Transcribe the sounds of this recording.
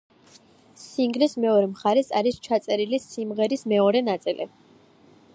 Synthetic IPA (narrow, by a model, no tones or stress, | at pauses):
siŋɡlismɛɔɾɛmχaɾɛsaɾist͡ʃʰat̪sʼɛɾilisimʁɛɾismɛɔɾɛnat̪sʼilʔḭ